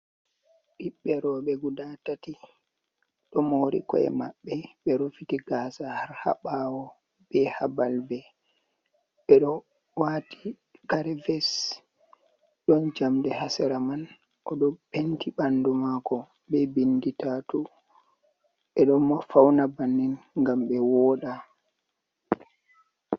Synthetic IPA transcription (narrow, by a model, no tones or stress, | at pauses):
ɗiɓːɛɾɔɓɛɡudatati | ɗɔmoɾḭkɔ̰ɛ̰maɓːɛɓɛɾofitiɡaːsahaɾha̰ɓaːwɔ | bɛhabalbɛ | ɓɛɗɔ | wati | kaɾɛvɛs | ɗɔnd͡ʒamdɛhasɛɾaman | ʔɔɗɔpentiɓandumakɔ | bɛbinditatu | ɓɛɗɔmɔfawnabanːinŋɡamɓɛwɔɗa